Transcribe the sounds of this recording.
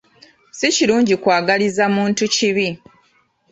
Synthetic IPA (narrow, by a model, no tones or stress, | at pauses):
siciɾuːɲɟikwaːɡalizamuːntuciβi